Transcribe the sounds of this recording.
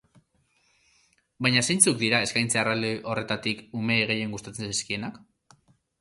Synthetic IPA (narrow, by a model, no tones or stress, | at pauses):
bajɲase̞jnt͡suk̚d̪iɾae̞skajnt͡searald̪eʔo̞re̞t̪at̪ikume̞ːɣ̞e̞je̞ŋɡust̪at͡sensiskie̞nak